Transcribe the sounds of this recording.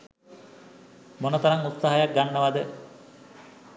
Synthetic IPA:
monot̪ɐɾaŋut̪saɦajak̚ɡanːəʋad̪ə

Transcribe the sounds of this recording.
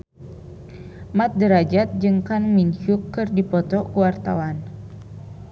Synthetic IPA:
mat̪̚dəɾad͡ʒat̪̚d͡ʒɨŋkanmint͡ʃukːɨrdipɔt̪ɔkuwart̪awan

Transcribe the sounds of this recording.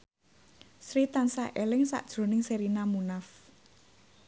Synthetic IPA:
sɾit̪ansaʔelɪŋsa̰ʔd̥ʒ̥ɾo̤nɪŋseɾinamunaf

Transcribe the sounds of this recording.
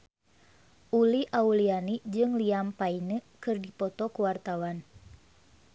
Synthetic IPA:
ʔuliʔaulianid͡ʒɨŋliampainəkɨrdipɔt̪ɔkuwart̪awan

